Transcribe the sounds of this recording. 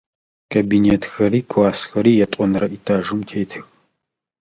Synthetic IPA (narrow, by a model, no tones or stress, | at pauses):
kʰɐbineːtʰxɐɾiːkʷʰʼaːsxɐɾiːjɛtʼɔnɨɾɐʔitʰaːʒʊmtʰeːtʰɨx